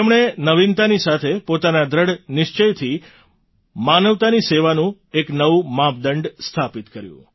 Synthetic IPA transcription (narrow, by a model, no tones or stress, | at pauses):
emɳ̃enəʋint̪anisat̪ʰepot̪anad̪ʱɾəɽnɪʃt͡ʃəjt̪ʰi | manəʋt̪aniseʋanũ | eknəʋumãp̚d̪əɳɖst̪ʰapit̪kəɾjṵ̃